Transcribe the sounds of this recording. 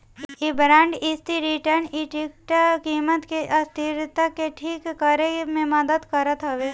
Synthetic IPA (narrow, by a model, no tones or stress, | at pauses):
ibɾãːɳɖɪst̪iɾiʈəɾniʈik̚ʈkiːmət̪keʔɐst̪ʰɪɾt̪akeʈʰiːkːəɾemẽmɐd̪əd̪kɐɾət̪ɦɐʋeː